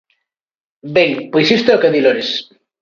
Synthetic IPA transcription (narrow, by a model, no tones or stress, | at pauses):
beŋpejsist̪eokeðiloɾes